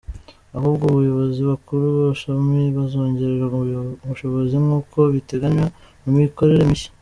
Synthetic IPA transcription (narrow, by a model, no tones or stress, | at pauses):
ahuːbɡoβujo̞βo̞ziβakuɾuβaβaʃamiβazo̞ːɲɟe̞ɾeɾaβuʃo̞βo̞zimŋuːkʰo̞βite̞ɡaɲwa | numiko̞ɾe̞ɾemiʃi̥